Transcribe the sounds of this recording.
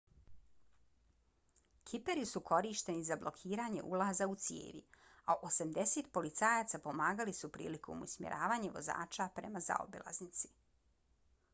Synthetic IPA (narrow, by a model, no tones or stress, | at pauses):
kʰipe̞ɾisuko̞ɾiːʃt̪e̞nizablˠo̞kʰiːɾaːɲe̞̰ʔṵlˠaːzaut̪sijḛːʋḭaʔosamd̪e̞set̪po̞lit̪saːjaːt̪sapo̞maːɡalisupɾḭːlikʰo̞̰musmjḛɾʔaːʋaːɲeʋo̞̰za̰ːt͡ʃapɾe̞̰maza̰o̰bilˠa̰znit̪si̥